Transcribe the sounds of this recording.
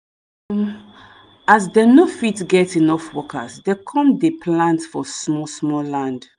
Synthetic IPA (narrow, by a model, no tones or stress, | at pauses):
azdɛnofitɡɛtinɔfwɔkʰə̰sdɛkʰɔ̃mdepʰlãntfɔsmɔsmɔlãnd